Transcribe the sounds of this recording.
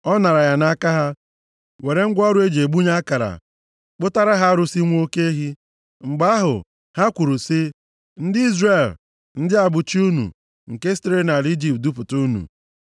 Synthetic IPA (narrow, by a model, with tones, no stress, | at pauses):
ɔ˦na˨ɾa˨ja˨na˦a˦ka˦ɦa˦ | we˨ɾe˦ŋ̩˦ɡʷɔ˦ɾʊ˦e˦d͡ʒe˨ɡ͡bu˦ɲa˦a˦ka˨ɾa̰˨ | k͡pʊ˦ta˦ɾa˦ɦa˦ɾʊ˦si˦ŋʷ˦o˦ke˦ɦi˦ | ŋ͡m̩˨ɡ͡ba˦ɦʊ̰˨ | ha˦kʷu˨ɾu˨sɪ˦ | n̩˦dɪ˦i˦zre˨l | n̩˦dɪ˦a˨bʊ˨t͡ʃi˦u˦nṵ˨ | ŋ̩˨ke˦ste˦ɾe˦na˨li˦d͡ʒi˦p̚t̚du˦pʊ˨tu˦nṵ˨